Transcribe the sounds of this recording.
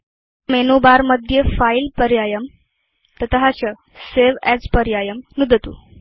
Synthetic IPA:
menobaɾməd̪ʱjəfailpəɾjajəm | t̪ət̪əɦat͡ɕə | seʋɛd͡zpəɾjajəmnud̪ʱət̪ṵ

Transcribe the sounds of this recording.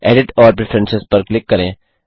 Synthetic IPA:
ɛːɖɪʈɔːɾp̬ɾɪfʰɾɛ̃nsɪspəɾklɪkːəɾẽː

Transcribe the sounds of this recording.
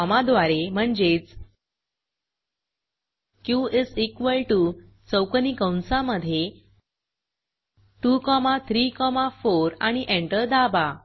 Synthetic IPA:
ɔmad̪ʋaɾem̤əɳd͡ʑet͡s | kjuʔisikʋəlʈu | t͡səwkənikə̃wnsaməd̪ʱːje | ʈukɔmat̪ʰɾikɔmafoɾaɽ̃iʔẽɳʈəɾd̪aba

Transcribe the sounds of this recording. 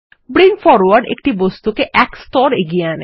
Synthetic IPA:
bɾiŋfɔɾwaɾɖḛk̚ʈibɔst̪ukeʔɛkst̪ɔɾeɡiane

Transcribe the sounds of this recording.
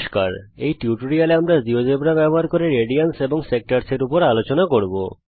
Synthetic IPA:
ʃkaɾḛjʈiuʈoɾialeamɾad͡ʑiod͡ʑebɾabɛboɦaɾkoɾeɾeɖianseboŋsek̚ʈaɾseɾupoɾalot͡ɕonakoɾbo̰

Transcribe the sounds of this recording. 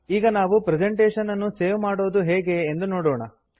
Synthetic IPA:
iːɡɐnaːʋupɾed͡ʒeɳʈeːʂɐnɐnːuseːʋmaːɽo̞ːd̪uɦeːɡe̞ːnd̪unoːɽoːɳɐ

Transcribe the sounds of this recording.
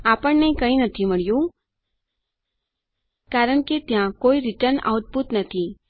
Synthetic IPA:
apəɳnekəĩnət̪ʰiməɭjũ | kaɾəɳ̃ket̪jãkoiɾɪʈəɾna̰ʋt̪̚but̪nət̪ʰi

